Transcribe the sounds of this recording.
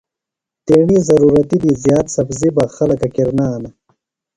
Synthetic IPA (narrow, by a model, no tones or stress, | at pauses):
t̪eːɳizɐɾuːɾɐt̪id̪izjaːt̪sɐbzibaxɐlɐkɐkiɾnaːna